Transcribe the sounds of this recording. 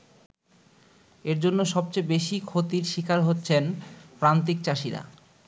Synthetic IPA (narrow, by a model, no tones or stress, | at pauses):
eɾd͡ʑonːoʃɔb̚t͡ɕebeʃikʰot̪iɾʃikaɾɦotːɕʰenpɾant̪̬ik̚t͡ɕaʃiɾa̰